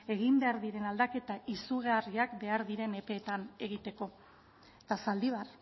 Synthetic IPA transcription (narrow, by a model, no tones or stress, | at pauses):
e̞ɣimbe̞aɾðiɾe̞nald̪ake̞t̪aʔisuɣeariakbe̞aɾðiɾe̞ne̞pe̞ːt̪ane̞ɣ̞it̪e̞ko̞ | t̪asald̪iβar